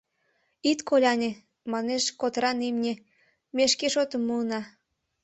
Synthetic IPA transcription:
it̪kolʲɑnʲe | mɑneʃkot̪ɾɑnimnʲe | meʃkeʃot̪əmːuənɑ

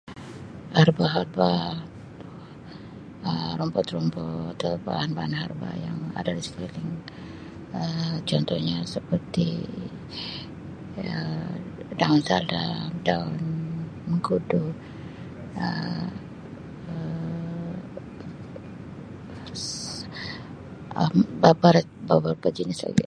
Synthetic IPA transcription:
harbaɦarba | əɾɔmbɔt̪rɔmbɔat̪aba̰hanbaanɦarba̰ja̰ŋa̰dadispilɪŋ | ət͡ʃɔnt̪ɔhɲasəpərt̪ḭ | daʊnsala̰daunməŋɡudu | ə̰ | əmbabaɾat̪̚bawarpəd͡ʒənɪsla̰ɡḭ

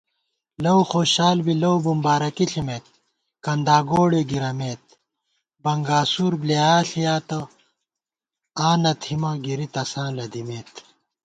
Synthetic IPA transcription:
lɐwxoːɕaːlbilɐwbumbaːɾɐkiɬimeːt̪̚ | kɐnd̪aːɡoːɽeɡiɾɐmeːt̪̚ | bɐŋɡaːsuːɾbliaːɬijaːt̪ɐ | aːnɐt̪himaːɡiɾit̪ɐsãːlɐd̪imeːt̪

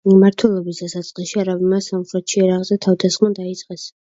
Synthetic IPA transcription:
mimaɾt̪ʰwɛlˠɔbisd̪asat̪sʼqʼɛʃiaɾabimasamχɾɛt̪ʃiɛɾaʁzɛt̪ʰavd̪asχmɔd̪ait̪sʼqʼɛs

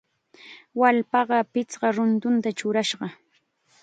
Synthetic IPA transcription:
walpɑɢɑpɪt͡sɢɑɾʊnt̪ʊnt̪at͡ʃʊɾaʃɢɑ

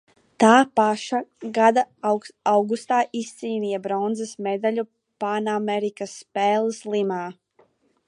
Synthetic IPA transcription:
t̪aːpaʃaɡad̪aawɡust̪aːʔist̪siːnijɛbɾɔnd̪zɛsmed̪aʎu | panamɛɾikasːpeːlˠslˠimaː

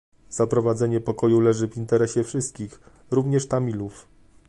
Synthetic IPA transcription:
z̥apɾɔvad̪zɛɲɛpɔkɔjulɛʐɘvint̪ɛɾɛɕɛfʂɘst̪̚kʲix | ɾuvɲɛʂt̪amʲiluf

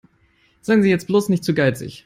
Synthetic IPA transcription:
z̥aɪənziːjɛt͡st̚b̥loːsnɪçtt͡suːɡaɪt͡sɪ̰ç

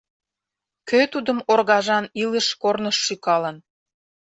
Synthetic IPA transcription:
køt̪ud̪əmorɣɑʒɑniləʃkornəʃːykɑlən

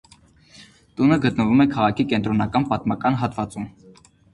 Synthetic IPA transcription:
t̪unəɡət̪nəvumɛkʰɑʁɑkʰikɛnt̪ɾɔnɑkɑnpɑt̪mɑkɑnɦɑt̪vɑt͡sum

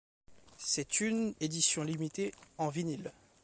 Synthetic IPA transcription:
sɛt̪yned̪isjɔ̃limit̪eɑ̃vinil

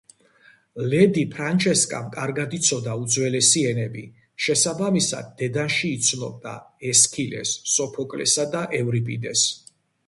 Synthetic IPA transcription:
lɛd̪ipʰɾant͡ʃʰɛskʼa̰mkʼaɾɡad̪it̪sʰɔd̪aud̪zwɛlɛsiɛnɛbi | ʃɛsabamisa̰d̪̚ːɛd̪anʃiːt̪sʰnɔb̚d̪a̰ɛskʰilɛ̰sːɔpʰɔkʼlɛ̰sad̪aʔɛvɾipʼid̪ɛs

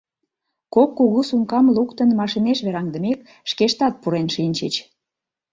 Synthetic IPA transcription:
kokːuɣusuŋkɑmlukt̪ənmɑʃineʃβeɾɑŋd̪ə̆mek | ʃkeʃt̪ɑt̪̚puɾenʃinʲt͡ɕət͡ɕ

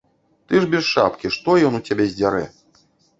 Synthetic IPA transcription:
t̪ɨʐbʲɛsʂa̰pkʲiʂt̪ɔjɔnut͡sʲabʲezʲd͡zʲaɾɛ

